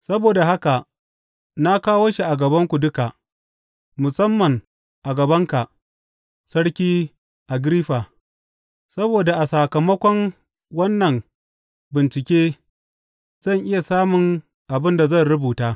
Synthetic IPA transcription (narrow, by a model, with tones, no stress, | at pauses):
sɐ˦boː˨da˨ɦa˦ka˨ʔ | na˦kaː˦woː˦ʃi˨ʔa˨ɡɐ˨bɐ˦ŋkʷu˨dʊ˦ka˨ʔ | mʊ˨sɐ˦mːɐ˨ŋ | ʔa˨ɡɐ˨bɐ˦ŋka˨ʔ | sɐ˦ɽkʲiː˦ | ʔa˨ɡɾiː˦ɸaː˨ | sɐ˦boː˨da˨ʔa˨saː˨kɐ˨mɐ˦kʷɔ˦ŋ | wɐ˦nːɐ˨ŋ | bɪ˨nt͡ʃɪ˨kʲeː˦ | z̥ɐ˦˨ŋʔɪ˦ja˨saː˦mʊ˨ŋ | ʔa˨bɪ˦nda˨zɐ˦˨nɾʊ˦buː˨taː˦